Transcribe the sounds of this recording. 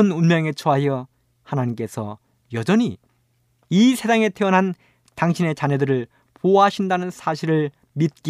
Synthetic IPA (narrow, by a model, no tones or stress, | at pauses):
ɯnunmjʌŋe̞t͡ɕʰoɦajʌ | hanaɲimk͈e̞sʰʌ̰ | jʌd͡ʑʌɲi | isʰe̞saŋe̞tʰeʌnɦan | taŋɕʰine̞t͡ɕanedɯɾɯɭ | poaɕʰindanɯnsʰaɕʰiɾɯɭ | mit̚k͈i